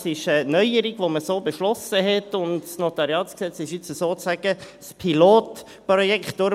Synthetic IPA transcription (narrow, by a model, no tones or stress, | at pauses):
sɪʃɛnœʏəɾiɡʋoməsoːbəʃlɔsəɦɛtʊndsnotɑɾiɑːsksɛt͡sɪʃɪt͡səsoːt͡sæɡə | spʰiloːt | prɔjɛkχtd̥ʊ